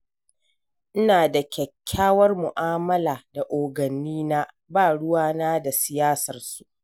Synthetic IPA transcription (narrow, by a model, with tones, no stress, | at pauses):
ʔɪ˦naː˨da˨kʲɛ˨kʲʰːaː˦wɐ˦rmʊ˨ʔaː˦mɐ˦laː˨da˨ʔoː˨ɡɐ˨nːiː˦na˦ | baː˦˨ɽʊ˦waː˦naː˦da˨sɪ˨jaː˦sɐ˨rsu˨ʔ